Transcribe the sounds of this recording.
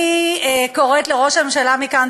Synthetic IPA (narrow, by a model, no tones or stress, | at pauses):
ko̞ʁetleʁo̞ʃamemʃalamikan